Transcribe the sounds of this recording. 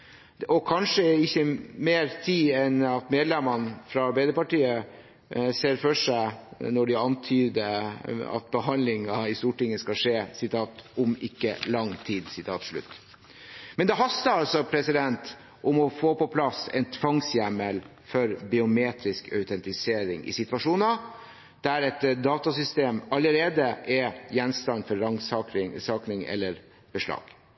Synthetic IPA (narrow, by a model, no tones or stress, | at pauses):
ɔkʰɑnʂəɪçːəmeːɾt̪ʰiːɛnɑt̪meːd̪lɛmɑnfɾɑɑɾbæɪd̪əpɑʈiːə | seːɾfœʂæɪnɔɖɪɑnt̪ʰyːd̪əɑ̰t̪̚bəɦɑnlɪŋɑɪst̪uːʈɪŋːəskɑʂeːsɪt̪ʰɑːt̪ʊmɪkːə̰lɑŋt̪ʰiːd̪sɪt̪ʰɑːt̪ʂɭʉ̰t̪ː | mɛnd̪ɛɦɑst̪əɾɑlsɔpʰɾɛsɪd̪ɛnt̪ | ʔʊmɔfoːpɔpʰlɑsɛ̰nt̪ʰʋɑŋsjæməl | fɔɾbɪʊmeːt̪ɾɪskœʉt̪ʰɛnt̪ɪseːɾɪŋɪ̰sɪt̪ʋɑʂuːnɑ | d̪̥æɾɛt̪d̪ɑːt̪ɑsʏst̪eːmɑləɾeːd̪əʔɛjɛnst̪ɑnfɔɾɑŋsɑɾɪsɑːknɪŋɛ̰lːəɾ | b̥əʂlɑ̰ːɡ̥